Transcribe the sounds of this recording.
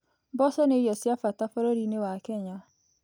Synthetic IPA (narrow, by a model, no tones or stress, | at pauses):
bɔsɔnejɔsjafatafoɾoɾinewakɛɲa